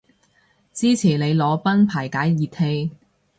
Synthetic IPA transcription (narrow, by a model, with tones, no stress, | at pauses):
t͡siː˥t͡sʰiː˨˩ne˨˧jlɔː˨˧pɐ˥npʰaː˨˩jkaː˨˥jjiː˨˧t̪̚he˧j